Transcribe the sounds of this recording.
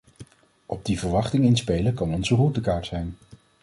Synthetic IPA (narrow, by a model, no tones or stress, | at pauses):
ʔɔb̚divəɹʋɑχtɪŋɪnspejləkɑnɔnzərutəkaːɹtsɛjn